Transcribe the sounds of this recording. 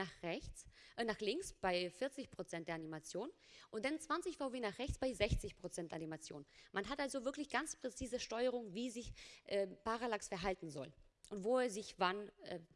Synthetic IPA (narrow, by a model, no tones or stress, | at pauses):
aːχʁɛçt͡snaːχlɪŋksb̥aɪfɪɐt͡sɪçpʁ̥ot͡sɛntd̥eːɐanimat͡sjoːn | ʔʊntd̥ant͡sv̥ant͡sɪçfaʊveːnaːχʁ̥ɛçt͡sb̥aɪzɛçt͡sɪçpʁ̥ot͡sɛntʔanimat͡sjo̰ːnmanɦatʔalzovɪɐklɪçɡ̥ant͡spʁ̥et͡siːzəʃtɔʏəʁ̞ʊŋviːzɪçʔɛːpaʁalaksfɛɐɦaltn̩zɔ̰l | ʔʊntv̥oːɛzɪçvanʔɛ